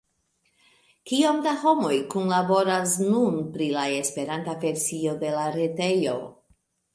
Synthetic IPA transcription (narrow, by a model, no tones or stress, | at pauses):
kio̞mdaho̞mo̞jkunlabo̞ɾasnunpɾilae̞spe̞ɾantave̞ɾsio̞de̞laɾete̞jo̞̰